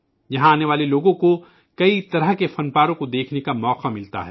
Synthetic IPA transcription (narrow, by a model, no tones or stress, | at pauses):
jɐɦãaːneʋaːleloːɡõko | kɐit̪ɐɾəɦkefɐnpaːɾõkod̪eːkʰnekamɔːqamɪlt̪a̰ɦɛː